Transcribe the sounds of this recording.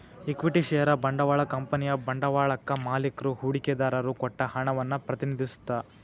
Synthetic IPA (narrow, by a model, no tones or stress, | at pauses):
ikʋiʈiʃɛjɐɾɐbɐɳɖɐʋaːɭɐkɐmpɐnijɐbɐɳɖɐʋaːɭɐkːɐmaːlikɾuhuːɽikɛd̪aːɾɐɾukɔʈːɐhɐɳɐʋɐnːɐpɾɐt̪inid̪ʱisu̥t̪ːa